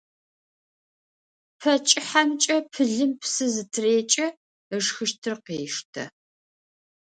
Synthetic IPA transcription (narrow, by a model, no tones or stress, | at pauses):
pʰɐt͡ʃʼɪħamt͡ʃʼɐpʰɨɮɨmpʰsɨzɨtʰɨreːt͡ʃʼɐ | əʐxɨʃtʰɨrqeːʂtʰɐ̰